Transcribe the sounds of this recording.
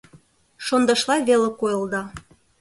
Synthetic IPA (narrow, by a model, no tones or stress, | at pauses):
ʃond̪ɤ̆ʃlɑjβelĕkojɤ̆lˠd̪ɑ